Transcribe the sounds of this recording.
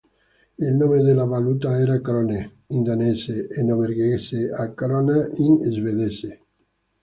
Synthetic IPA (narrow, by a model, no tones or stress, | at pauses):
elnomeðelaβalut̪aeɾakɾone | ind̪aneseʔːnoβeɾɣeseakɾonainezβeðese